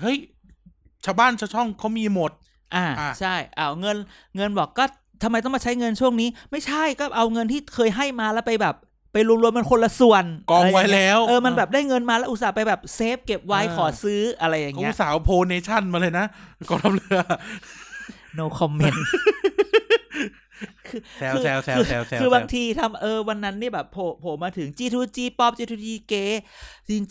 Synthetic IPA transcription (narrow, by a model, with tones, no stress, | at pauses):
hɤ˦˥˩j | t͡ɕʰaː˧wbaː˥˩nt͡ɕʰa˧˩t͡ɕʰɔ˥˩ŋkʰa˦˥wmiː˧mo˨˩t̪̚ | ʔaː˧˩˧t͡ɕʰa˥˩jʔaː˧˩ŋɤ˧nŋɤ˧nbɔː˨˩kːɔː˥˩ | t̪ʰa˧ma˧jt̪ɔ˥˩maː˧˩t͡ɕʰa˦˥jŋɤ˧nt͡ɕʰu˥˩əŋniː˦˥ma˥˩jt͡ɕʰa˥˩jkɔː˥˩ʔa˧wŋɤ˧nt̪ʰiː˥˩kʰɤː˧jɦa˥˩jmaː˧lɛː˦˥wpa˧jbɛː˨˩p̚ː | a˧jɾu˧ŋɾu˧əmːa˧nkʰo˧nla˧su˨˩ənkɔː˧wa˦˥jlɛː˦˥wʔɤː˧ma˧nbɛː˨˩p̚daː˥˩jŋɤ˧nmaː˧lɛ˦˥ʔu˧t̪̚saː˩˦pa˧jbɛː˨˩p̚seː˦˥p̚ke˨˩p̚wa˦˥jkʰɔː˩˦sɯː˦˥ʔa˧ɾa˧jːa˨˩ŋː˦˧saː˩˦wpʰoː˧ne˧t͡ɕʰa˥˩nmaː˧laː˧jna˦˥ʔkɔː˧˩t̪ʰa˦˧mlɯ˧˦ɐ | no˧kʰɔ˧mːe˧˩n | kʰɯː˧kʰɯː˧kʰɯː˧baː˧ŋt̪ʰiː˧t̪ʰa˧˥mʔɤː˧wa˧nːa˦˥nːi˥˩bɛː˨˩pʰːoː˨˩pʰoː˨˦maː˧t̪ʰɯ˩˦ŋt͡ɕiː˧t̪ʰuː˧t͡ɕiː˧pɔː˥˩p̚t͡ɕiː˧t̪ʰuː˧t͡ɕiː˧keː˧˥t͡ɕi˧ŋ˧